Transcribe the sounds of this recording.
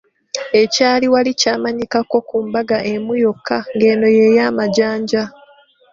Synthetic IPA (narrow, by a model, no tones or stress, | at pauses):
e̞caːliwalicaːmaɲikako̞kuːmbaɡaʔemujokʰːaŋɡe̞ːno̞jejaːmaɟaːɲɟa